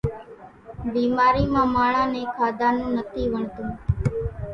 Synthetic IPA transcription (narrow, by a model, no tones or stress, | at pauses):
biːmaːɾiːmãːmaːɭãːneːkʰaːd̪aːnũːnət̪ʰiːʋəɳt̪ũː